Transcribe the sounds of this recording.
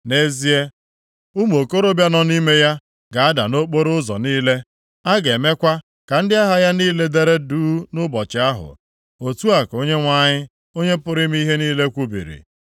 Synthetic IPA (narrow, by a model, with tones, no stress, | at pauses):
ne˦zi˦e˦ | u˦m˨o˨ko˦ɾo˦bja˦nɔ˦ni˦me˦ja˦ | ɡa˨a˦da̰˨no˦k͡po˦ɾʊ˦zɔ̰˨niː˦le˦ | a˦ɡe˨me˦kʷa˦ | ka˨n̩˦dɪ˦a˦ɦa˦ja˦niː˦le˦de˦ɾe˦duː˦nʊ˦bɔ˨t͡ʃɪ˨a˦ɦʊ̰˨ | o˨tu˦a˨ko˦ɲe˦ŋʷa˦ɲɪ˦ | o˦ɲe˦pʊ˦ɾɪ˦m˦i˦ɦe˦niː˦le˦kʷu˦bḭ˨ɾḭ˨